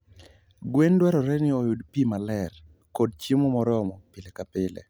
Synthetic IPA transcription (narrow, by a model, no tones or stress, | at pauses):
ɡwendwɛɾɔɾɛnɪojudpimalɛr | kod̚t͡ʃimɔmɔɾɔmɔpɪlekapɪlḛ